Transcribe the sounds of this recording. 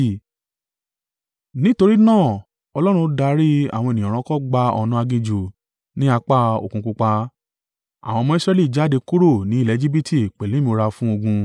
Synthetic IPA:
nĩ˦to˧ɾi˦nãː˦˨ | ɔ˧lɔ˦ɾ̃ũ˧˦da˧ɾi˦a̰˨w̃ɔ̃˧e˨nĩ˨ɾ̃ɔ̃˧kɔ˦ɡ͡ba˧ɔ̰˧nũ˦a˧ɡĩ˧d͡ʒu˨ | nĩ˦a˧k͡pa˦o̰˨kũ˧ku˧k͡pa˧ | a̰˨w̃ɔ̃˧mɔ̃˦i˦sɾɛ˧li˦˨d͡ʒa˦de˧ku˦ɾo˦˨nĩ˨˦i˦˨lɛ˨˧˦d͡ʒi˦bi˦tʰi˦˨k͡pɛ˨lĩ˨˦mĩ˧o˧ɾa˧fũ˦o˧ɡũ˧

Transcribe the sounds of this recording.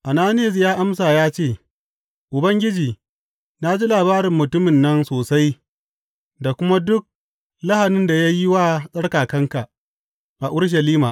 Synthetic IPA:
ʔa˨naː˦nɪ˦ɐ˨s̬jaː˦ʔa˦ms̬aː˨jaː˦t͡ʃeː˦˨ | ʔʊ˨bɐ˦ŋɡʲɪ˦d͡ʒiː˨ | naː˦d͡ʒi˦laː˨baː˦ɾɪ˨mːʊ˨tʊ˦mɪ˨nːɐ˦nsoː˨sa˦j | da˨kʷʊ˦ma˦dʊ˦k̚ | la˦ha˨nɪ˦nda˨ja˦jɪ˦waː˦sʼɐ˦ɽkaː˨kɐ˦ŋka˨ | ʔa˨ʔʊ˦ɽʃ̬ɐ˨liː˦maː˨ʔ

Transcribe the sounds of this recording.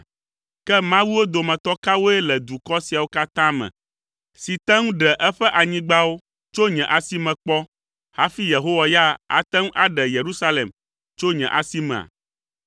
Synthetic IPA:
kɛ˦mã˦wu˦wo˦d̪o˨mɛ̃˨t̪ɔ˦ka˦wo˦ɛ˦lɛ˨d̪u˨kɔ˦si˨a˨wo˦ka˦t̪ã˦mɛ̰̃˨ | si˨t̪ɛ̃˦ŋũ˦ɖɛ˨ʔɛ˦ɸɛ˦ʔa˨ɲĩ˦ɡ͡ba˦wo˦ | t͡ʃo˦ɲɛ̃˨ʔa˨si˦mɛ̃˨k͡pɔ˦ | ha˦fi˦je˨ɦo˦wa˦ja˦a̰˨t̪ɛ̃˦ŋ̃˦ʔa˦ɖɛ˨je˨ɾu˦sa˦le˨m | t͡ʃo˦ɲɛ̰̃˨ʔa̰˨si˦mɛ̰̃˨a̰˨

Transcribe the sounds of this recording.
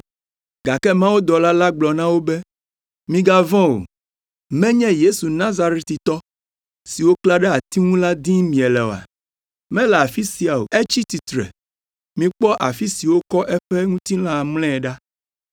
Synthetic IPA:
ɡa˨kɛ˦mã˦wo˦d̪ɔ˨la˦la˦ɡ͡blɔ˨nã˦wo˦bɛ˦ | mĩ˨ɡa˦vɔ̃˦wo̰˨ | mɛ̃˦ɲɛ̃˦je˦su˨nã˦za˦ɾe˦t̪i˨t̪ɔ˦ | si˨wo˦kla˦ɖɛ˦a˨t̪i˦ŋũ˦la˦d̪ĩ˦mĩ˨ɛ˨lɛ˨o̰˨a̰˨ | mɛ̃˦lɛ˨a˨fi˦si˨a˨o̰˨ɛ˦t͡ɕi˦t̪i˨t̪ɾɛ̰˨ | mĩ˨k͡pɔ˦ʔa˨fi˦si˨wo˦kɔ˦ʔɛ˦ɸɛ˦ŋũ˦t̪i˦lã˦˨mlɛ̃˦˨ɖa˦

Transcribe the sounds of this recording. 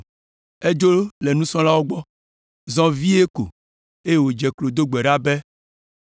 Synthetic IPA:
e˦d͡ʒo˦le˨nũ˦sɔ̃˦la˦wo˦ɡ͡bɔ˦ | zɔ̃˦vi˦e˦ko̰˨ | e˦je˦˨wo˨d͡ʒɛ˨klo˨d̪o˦ɡ͡bɛ˨ɖa˦bɛ˦

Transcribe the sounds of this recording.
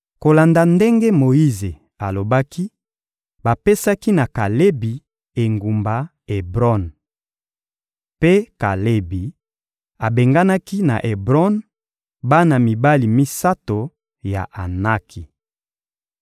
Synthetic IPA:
ko˨la˨nda˨nde˦ŋɡe˦mo˨i˦ze˨ | a˨lo˨ba˦ki˦ | ba˨pe˦sa˦ki˦na˨ka˨le˦bi˨ | e˨ŋɡu˨mba˨ | e˨bʁɔ˦n | pe˦ka˨le˦bi˨ | a˨be˨ŋɡa˦na˦ki˦na̰˨ʔe˨bʁɔ˦n | ba˦na˨mi˨ba˦li˨mi˦sa˦to˨ | ja̰˨ʔa˨na˦kʰi˨

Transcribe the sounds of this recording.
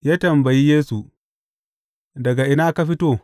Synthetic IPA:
jaː˦tɐ˨mbɐ˨ji˦jeː˦su˨ | dɐ˨ɡa˨ʔɪ˨naː˦ka˦ɸi˦toː˦

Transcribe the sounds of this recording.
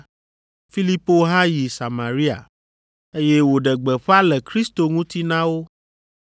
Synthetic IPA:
fi˦li˦po˦ɦã˦ji˨sa˨mã˨ɾi˦a̰˨ | e˦je˦wo˨ɖɛ˨ɡ͡bɛ˨ɸa˦lɛ˨kɾi˦st̪o˨ŋũ˦t̪i˦nã˦wo˦

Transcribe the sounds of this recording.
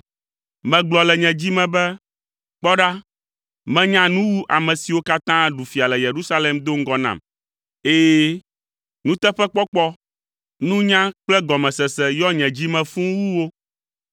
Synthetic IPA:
mɛ̃˨ɡ͡blɔ˨lɛ˨ɲɛ̃˨d͡ʑi˦mɛ̃˨bɛ˦ | k͡pɔ˦ɖa˦ | mɛ̃˦ɲã˦nũ˦wu˦ʔa˨mɛ̃˨si˨wo˦ka˦t̪ã˦ɖu˨fi˨a˨lɛ˨je˨ɾu˦sa˦lɛ˨md̪o˦ŋ̩˦ɡɔ˨nã̰˨m | e˦jɛ˦ | nũ˦t̪ɛ˦ɸɛ˦k͡pɔ˦k͡pɔ˦ | nũ˦ɲã˦k͡plɛ˦ɡɔ˨mɛ̃˨sɛ˨sɛ˨jɔ˦ɲɛ̃˨d͡ʑi˦mɛ̃˨fũ˦wu˦wo˦

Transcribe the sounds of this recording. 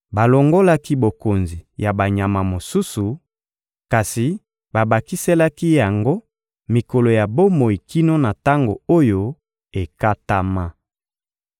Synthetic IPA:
ba˨lo˨ŋɡo˦la˦ki˦bo˨ko˨nzi˨ja˨ba˨ɲa˨ma˨mo˨su˦su˨ | ka˨si˨ | ba˨ba˨ki˦se˦la˦ki˦ja˨ŋɡo˦ | mi˨ko˨lo˨ja˨bo˦mo˨i˨ki˦no˦na˨ta˦ŋɡo̰˨o˦jo˦ | e˨ka˦ta˦ma˦

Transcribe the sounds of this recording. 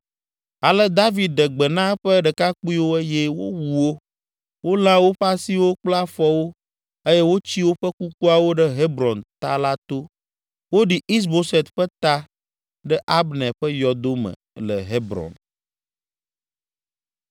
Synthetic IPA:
a˨lɛ˦d̪a˦vi˨d̪̚ɖə˨ɡ͡bə˨nã˦ɸə˦ɖə˨ka˦k͡pu˦i˦wo˦e˦je˦wo̰˦wu˨wo˦ | wo˦l̃ã˦wo˦ɸa˦si˦wo˦k͡pla˦fɔ˦wo˦ | e˦jɛ˦wo˦t͡ɕi˦wo˦ɸə˦ku˦ku˦a˨wo˦ɖɛ˦ɦe˦bɾɔ̃˨nt̪a˦la˦t̪o˦ | wo˦ɖi˨i˦s̬bo˦se˨t̪ɸə˦t̪a˦ | ɖɛ˦ʔa˦bnɛ˨ɸə˦jɔ˨d̪o˦mə̰̃˨lɛ˨ɦe˦bɾɔ̰˨n

